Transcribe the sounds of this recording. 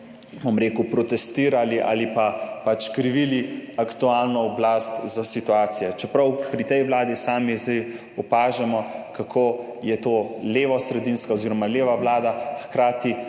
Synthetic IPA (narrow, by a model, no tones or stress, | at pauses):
bomɾeːkupɾɔt̪ɛst̪iːɾaliʔa̰ːlipapat͡ʃkɾiʋiliakt̪uaːlnɔɔblast̪zasit̪uaːt̪sijɛt͡ʃɛpɾɐwpɾit̪ɛjʋwlaːd̪isaːmizd̪ɛj | ɔpaːʒɛmɔkakʰoːjɛt̪oːleːʋɔsɾɛd̪inskaɔziːɾɔmaleːʋaʋlaːd̪axkɾaːt̪i